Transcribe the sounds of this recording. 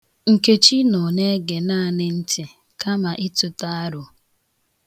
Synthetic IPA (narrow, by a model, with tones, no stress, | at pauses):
ŋ̩˨ke˨t͡ʃi˦nɔ˨ne˦ɡe˨na˦˨nɪ˨n̩˦tɪ˨ | ka˦ma˨ʔɪ˦tʊ˨ta˦a˦ɾʊ˨